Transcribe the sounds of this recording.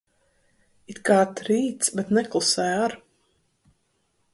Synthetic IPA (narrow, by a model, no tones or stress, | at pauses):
it̪kaːt̪ɾiːt̪sbɛt̪nɛklˠusɛjaɾ